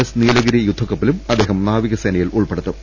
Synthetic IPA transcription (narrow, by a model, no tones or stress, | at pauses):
ɐsniːlɐɣiɾɐjud̪ʱːɐkːɐpːilumɐd̪ːe̞ːɦɐmnaːʋiɣɐseːnɐjiluɭpeɽut̪ːɨ